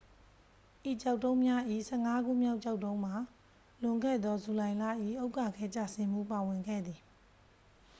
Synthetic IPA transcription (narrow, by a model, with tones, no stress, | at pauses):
ʔi˨t͡ɕa˦˨ʊtõ˦ʊ̃mja˦ʔḭ˦˨sʰɛ˦˨ŋa˦ɡṵ˦˨mja˦ʊʔt͡ɕa˦ʊtːõ˦ʊ̃m̥a˨ | lʊ̃˨ŋɡɛ̰˦˨d̪ðɔ˦zu˨lã˨ɪ̃la̰˦˨ʔḭ˦˨ʔo˦ʊka˦˨kʰɛ˦t͡ɕa̰˦˨sɪ̃˦m̥ṵ˦˨pa˨wɪ̃˨ŋɡɛ̰˦˨d̪ði˨